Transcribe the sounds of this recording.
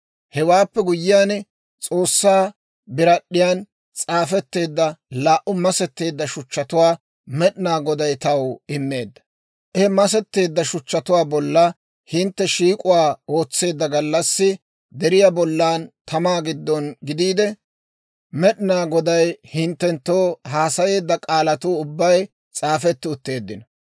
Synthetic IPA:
hɛwaːpːɛɡʊjːɪjaːn | t͡sʼo̞ːsːaː | bɪɾɐɗːɪjaːn | t͡sʼaːfɛt̪ːe̞ːd̪ːɐlaːʔʊmɐsɛt̪ːe̞ːd̪ːɐʃʊt͡ʃːɐt̪ʊwaː | mɛɗɪnaːɡɔd̪ɐjt̪ɐwɪmːe̞ːd̪ːɐ̥ | ʔɛhɛmɐs̬ɛt̪ːe̞ːd̪ːɐʃʊt͡ʃːɐt̪ʊwaːbɔlːɐ | hɪnt̪ːɛʃiːkʼʊwaːo̞ːt͡sːe̞ːd̪ːɐɡɐlːɐsːɪ | d̪ɛɾɪjabɔlːaːnt̪ɐmaːɡɪd̪ːɔnɡɪd̪iːd̪ɛ | mɛɗnaːɡɔd̪ɐjhɪnt̪ːɛnt̪ːoːhaːsɐje̞ːd̪ːɐkʼaːlɐt̪uːʊbːɐj | t͡sʼaːfɛt̪ːɪʊt̪ːe̞ːd̪ːɪnɐ

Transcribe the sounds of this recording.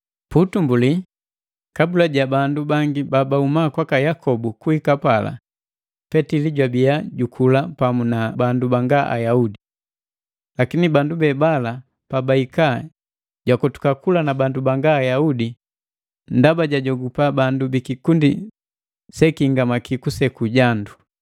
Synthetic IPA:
putumbuli | kabulaɟabandubaŋɡibabaumakwakajakʰɔbukuhikapala̰ | pɛtiliɟwabiaɟukʰulapamunabandubaŋɡaʔa̰jaudi | lakinibandubɛbala | pabaika | ɟwakɔtu̥kakulanabandubaŋɡaːjaudi | ndabaɟaɟɔɡupabandubikikundi | sɛkiŋɡamakikusɛkuɟandu

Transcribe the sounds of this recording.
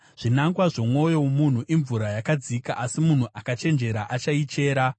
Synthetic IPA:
ʐ̥inaŋɡwaʐo̞mwo̞jo̞mun̤uʔiɱvuɾajakad͡zikaʔasimun̤uʔakat͡ʃe̞nd͡ʒe̞ɾaʔat͡ʃait͡ʃe̞ːɾa

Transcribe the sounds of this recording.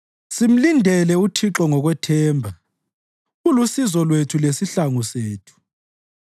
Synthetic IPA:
sim̩lindʱɛlɛutʰiǁɔŋɔɣwɛtʰɛːmbʱa | ɣulusizɔlwetʰulesiɬaŋuseːtʰu̥

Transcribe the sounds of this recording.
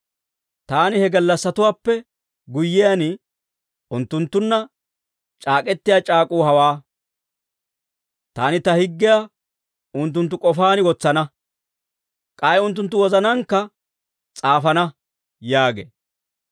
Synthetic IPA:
t̪aːnɪhɛɡɐlːɐsːɐt̪ʊwaːpːɛ | ɡʊjːɪjanɪ | ʊnt̪ːʊnt̪ːʊnːɐ | t͡ʃʼaːkʼɛt̪ːɪjaːt͡ʃʼaːkʼuːhɐwaː | t̪aːnɪt̪ɐhɪɡːɪjaː | ʊnt̪̬ːʊnt̪ːʊkʼɔfaːnɪwɔt͡sːɐnɐ | kʼɐjʊnt̪̬ːʊnt̪̬ːʊwɔzɐnɐŋkːɐ | t͡sʼaːfɐnɐ | jaːɡḛː

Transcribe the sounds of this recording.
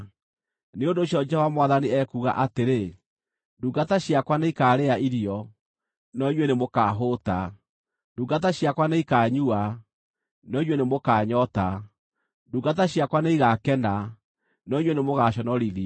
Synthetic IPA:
neondoːɕjɔd͡ʒɛovamwaðaniɛkuɣa̰ʔateɾe | nduːɡataɕjakwaneikaːɾeaʔiɾiɔ | nɔiɲwenemokaɦota | nduːŋɡat̬aɕjakwaneikaːɲua | nɔiɲwenemokaːɲɔta | nduːɡataɕjakwaneiɣakɛna | nɔiɲwenemoɣaɕɔnɔɾiði

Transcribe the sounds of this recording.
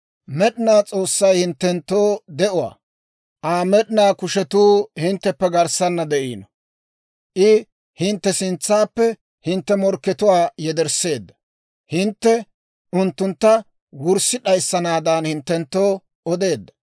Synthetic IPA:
mɛɗɪnaːt͡sʼo̞ːsːɐjhɪnt̪ːɛnt̪ːoːd̪ɛʔʊwa̰ː | ʔaːmɛɗɪnaːkʊʃɛt̪uːhɪnt̪ːɛpːɛɡɐɾsɐnːɐd̪ɛʔḭːnɔ | ʔɪ | hɪnt̪ːɛsɪnt͡sːaːpːɛ | hɪnt̪ːɛmɔɾkːɛt̪ʊwaːjɛd̪ɛɾse̞ːd̪ːɐ̥ | hɪnt̪ːɛ | ʔʊnt̪ːʊnt̪ːɐ | wʊɾsːɪᶑɐjsːɐnaːd̪ɐnhɪnt̪ːɛnt̪ːo̞ː | ɔd̪e̞ːd̪ːɐ̥

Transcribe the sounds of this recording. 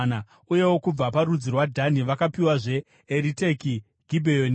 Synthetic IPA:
na | uje̞wo̞kub͡vapaɾud͡zirwadʱaniʋakapiwaʐe̞ː | ɾite̞ki | ɡʱibʱejon

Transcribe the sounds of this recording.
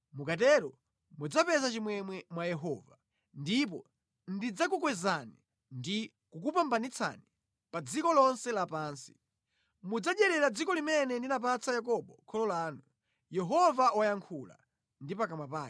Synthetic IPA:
mukatɛɾɔ | mud͡zapɛzat͡ʃimwɛmwɛmwajɛɦɔːva | ndip̬ɔ | ndid͡zak̬ukwɛzani | ndi | kuk̬upambanit͡sʰa̰ni | pad͡zikɔlɔnsɛlapaːnsi̥ | mud͡zaɗɛɾɛɾad͡zikɔlimɛnɛndinap̬at͡sajak̬ɔɓɔkʰɔlɔlaːnu | jɛɦɔvawajaŋkʰula̰ | ndipakamwapaː

